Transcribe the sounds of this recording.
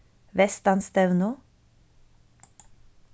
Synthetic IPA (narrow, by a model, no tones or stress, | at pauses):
ʋɛst̪ɑnst̪ɛʋno